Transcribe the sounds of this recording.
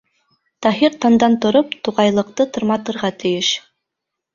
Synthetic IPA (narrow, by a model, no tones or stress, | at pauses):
t̪ɑɦiɾt̪ɑnd̪ɑnt̪ŏɾopt̪uʁɑjlˠɤ̆q̚t̪ɤt̪ŏɾmɑt̪ɤ̆ɾʁɑt̪ʰɘ̆jɘʃ